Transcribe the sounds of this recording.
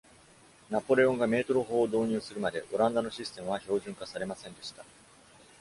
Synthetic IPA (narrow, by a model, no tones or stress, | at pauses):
napo̞ɾe̞õ̞ŋɡame̞ːt̪o̞ɾoɦo̞ːd̪o̞ːɲ̟ɨ̟ːsɨɾɯ̟mad̪e̞ʔo̞ɾãnd̪ano̞ɕisɨ̥t̪e̞mɯ̟β̞aço̞ːʑɨ̃ŋkasaɾe̞masẽ̞nd̪e̞ɕi̥t̪a